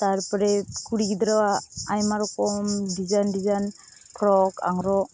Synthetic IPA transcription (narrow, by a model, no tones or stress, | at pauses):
taɾpaɾekuɾiɡidɾawaajmaɾɔkɔmdizandizan | pʰɾɔka̰ŋɾɔ